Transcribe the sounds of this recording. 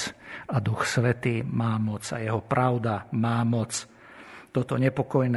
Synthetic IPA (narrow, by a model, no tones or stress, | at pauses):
ad̪uxsʋɛt̪iːmaːmɔt͡sa̰jɛɦɔpɾʔaʊd̪amaːmɔt͡s | t̪ɔt̪ɔɲɛpɔkɔjnɛ